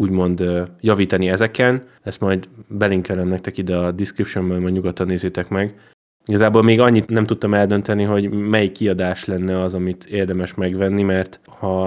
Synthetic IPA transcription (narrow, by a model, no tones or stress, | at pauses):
uːɟmo̞nd̪jɒviːt̪ɒniɛzɛkɛn | ɛst̪mɒjd̪bɛliŋkɛlɛmnɛk̚t̪ɛkid̪ɛɒd̪iskripʃombɛlmɒjɟɲuɡɒt̪ːɒnːeːzeːt̪ɛkmɛɡ | iɡɒzaːboːlmeːɡɒɲːit̪nɛmt̪ut̪ːɒmɛld̪ønt̪ɛniɦo̞ɟmɛjikːiɒd̪aːʃlɛnːɛɒzɒmit̪eːrd̪ɛmɛʃmɛɡvɛnːimɛrt̪ | hɒ